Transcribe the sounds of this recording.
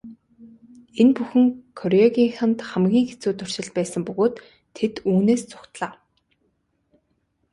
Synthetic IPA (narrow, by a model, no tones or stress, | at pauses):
enpuxɘ̆ŋkʰɔɾɔɣʲiːŋxant̪χæmɡʲiːŋɡet͡suːt̪ʊr̥t͡ɕɪ̆ɮt̪̚pæːsə̆mpɵɣoːt̪ʰː | et̪uːneːst͡sʊ̥kt̪ɮaː